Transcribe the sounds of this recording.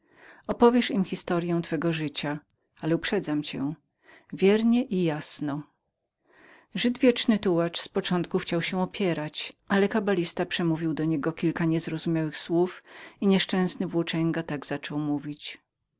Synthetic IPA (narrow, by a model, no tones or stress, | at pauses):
ɔpɔvʲjɛʂimxʲist̪ɔɾjɛ̃w̃t̪fɛɡɔʐɘt͡ɕa | alɛupʂɛd̪zamt͡ɕɛ̰ | vʲjɛɾɲɛʔijasnɔ | ʐɘd̪vʲjɛt͡ʂnɘt̪uwat͡ʂspɔt͡ʂɔnt̪̚kuxt͡ɕawɕɛɔpʲjɛɾat͡ɕʔalɛkabalʲist̪apʂɛmuvʲiwd̪ɔɲɛɡɔkʲilkaɲɛzɾɔzumʲjawɘxswufiɲɛʂt͡ʂɛ̃w̃snɘvwɔt͡ʂɛŋɡat̪aɡz̥at͡ʂɔwmuvʲit͡ɕ